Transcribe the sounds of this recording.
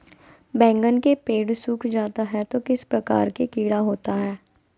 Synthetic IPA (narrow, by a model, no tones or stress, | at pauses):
bɛ̃ːŋɡənkepeːɖsuːkʰd͡ʒaːt̪aɦɛt̪okɪspɾɐka̰ːɾkekiːɽaɦoːt̪aɦɛː